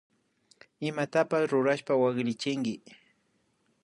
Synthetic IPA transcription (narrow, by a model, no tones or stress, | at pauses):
ɪmat̪apasɾʊɾaʃpawaɢɾɪt͡ʃɪŋɡɪ